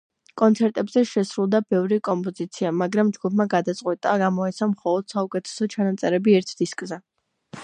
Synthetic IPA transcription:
kʼɔnt̪sʰɛɾt̪ʼɛbzɛʃɛsɾulˠd̪abɛvɾikʼɔmpʼɔzit̪sʰiamaɡɾamd͡ʒɡupʰmaɡad̪at̪sʼqʼwɛt̪ʼaɡamɔɛt̪sʰamχɔlˠɔd̪̥saukʼɛt̪ʰɛ̥sɔt͡ʃʰanat̪sʼɛɾɛbiɛɾt̪ʰd̪̥iskʼzɛ

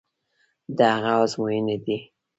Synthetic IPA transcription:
d̪əhaɣaazmojəned̪i

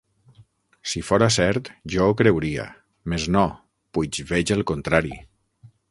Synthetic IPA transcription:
sifoɾasɛɾt̪ʒɔokɾewɾia̰ | meznɔ | pujt͡ʃβeʒəlˠkont̪ɾaɾḭ

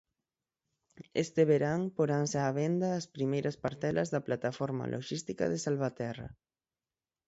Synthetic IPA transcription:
est̪eβeɾaŋpoɾansaːβɛnd̪aːspɾimejɾɐspaɾt̪ɛlʔɐzðɐplat̪afɔɾma̰lʔo̰ʃist̪ikɐ̰ðesalβat̪ɛrɐ̰

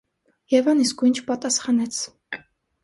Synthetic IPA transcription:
jɛvɑniskujnt͡ʃʰpɑt̪ɑsχɑnɛt͡sʰ

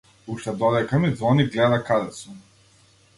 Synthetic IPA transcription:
uʃt̪ad̪od̪akamid̪zvoniɡlɛd̪akad̪asu

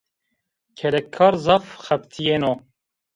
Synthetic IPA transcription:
kʰɛlɛkʰːɑːɾzɑːfxɛpt̪ʰijeno

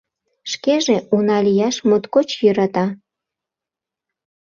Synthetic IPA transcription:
ʃkeʒeunɑlijɑʃmut̪kot͡ɕjøɾɑt̪ɑ

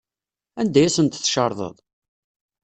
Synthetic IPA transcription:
ænd̪æjæsənt̪θʃɑɾˤðˤə̰ðˤ

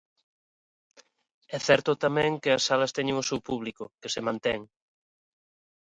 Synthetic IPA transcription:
ɛθɛɾt̪ʊt̪amɛ̃ŋkɪɐsːalɐst̪ɛɲeŋʊsewpuβlikʊkesemãnt̪ɛŋ

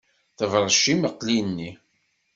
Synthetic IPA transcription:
θəvɾˤəʃːiməqlinːi

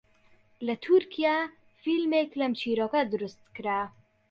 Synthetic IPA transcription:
lɐt̪ʰuɾkʰija | filmeklɐmt͡ʃʰiːɾoːkɐd̪ɨɾust̪̚kɨɾa

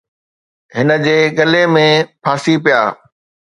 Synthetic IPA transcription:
ɦɪnə̆d͡ʑeːɠɐlemẽpʰaːsipija̰ː

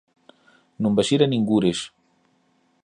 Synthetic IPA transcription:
nũmbaʃiɾaniŋɡuɾes

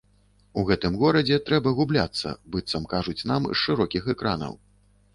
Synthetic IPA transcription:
uɣɛt̪ɨmɣɔɾɐd͡zʲɛt̪ɾɛbɐɣublʲat̪sːɐ̰bɨt̪sɐmkaʐut͡sʲnamʂɨɾɔkʲixɛkɾanɐ̰w

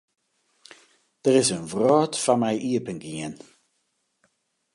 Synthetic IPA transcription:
ð̥əɹɪzənvrɔːtfamajʔiəpənɡiən

